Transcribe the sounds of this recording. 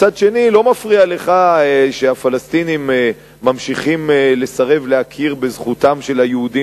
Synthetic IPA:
t͡sad̪ʃe̞nilo̞mafʁiale̞χaʃeafalast̪inimː | amʃiχimle̞saʁe̞vlehakʰiʁbezχut̪amʃe̞lajeud̪i

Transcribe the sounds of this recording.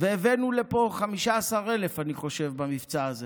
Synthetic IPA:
veːvenulepo̞χamiʃaːsaʁele̞faniχo̞ʃe̞vbamift͡saːze

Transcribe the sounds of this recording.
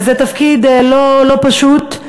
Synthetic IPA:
zɛt̪ɐfkid̪lolo̞paʃut̪

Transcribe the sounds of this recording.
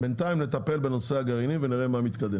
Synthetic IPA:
be̞nt̪aimle̞t̪ape̞lbeno̞seaɡaʁiniveniʁe̞mamit̪kad̪e

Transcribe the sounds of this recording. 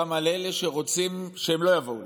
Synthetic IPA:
amaleleʃe̞ʁo̞t͡simʃeemlo̞javo̞u

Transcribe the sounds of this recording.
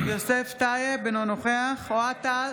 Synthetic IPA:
joseft̪ajebenonoχeaχoat̪al

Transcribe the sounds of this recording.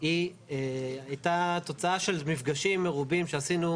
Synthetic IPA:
i | eajtat̪o̞t͡saaʃe̞lmifɡaʃimːeʁubimʃeasinu

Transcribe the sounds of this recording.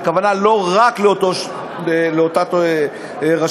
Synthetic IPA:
kavanalo̞ʁakleot̪o | leot̪a | ʁa

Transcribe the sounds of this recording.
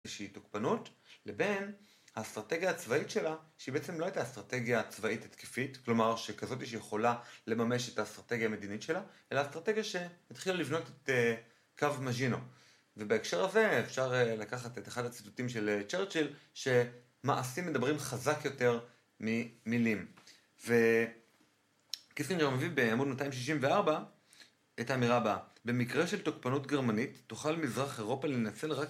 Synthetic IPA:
ʃeitokpanutle̞be̞n | hastʁate̞ɡjaːt͡svaitʃe̞laʃeibeet͡se̞mlo̞ajtastʁate̞ɡjat͡svaithatki̥fitklo̞maʁʃe̞kazo̞t̬iʃ̬jeχo̞lale̞mame̞ʃetastʁate̞ɡjame̞dinitʃe̞laʔe̞laːst̪ʁate̞ɡjaʃe̞mitχilalivno̞tete | kavmaʒino̞ | ve̞baekʃe̞ʁhaze̞efʃaʁlakaχateteχadhat͡si̥tutimʃe̞lt͡ʃeʁt͡ʃelʃe̞ | maʔasimːe̞dabʁimχazakjo̞te̞ʁ | mimilim | ve̞ | kiskineomvibeamudmataimʃ̬iʃ̬imveaʁba | etaːmiʁababe̞mikʁe̞ʃeltokpanutɡe̞ʁmanitːuχalmizʁaχe̞ʁo̞pale̞nat͡se̞lʁak

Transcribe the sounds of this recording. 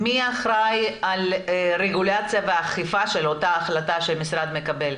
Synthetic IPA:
miaχɾajalʁeɡulat͡sjaveaχifaʃe̞lo̞taːχlat̪aʃemisʁad̪me̞kabe̞l

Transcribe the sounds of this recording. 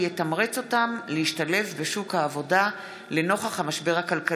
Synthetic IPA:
jetamʁet͡so̞tamleiʃtale̞fbe̞ʃukhaːvo̞da | le̞no̞χaχhamaʃbe̞ʁakalka

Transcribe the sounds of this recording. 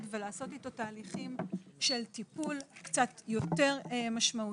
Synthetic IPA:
tvelaːso̞tito̞taːliχimʃe̞ltipulkt͡sat̪jo̞te̞ʁmaʃmau

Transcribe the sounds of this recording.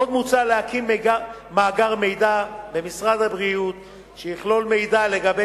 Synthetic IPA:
od̪mut͡saleakimːɡa | maːɡaʁme̞jd̪abemisʁad̪habʁiut̪ | ʃejiχlo̞lme̞jd̪ale̞ɡabe

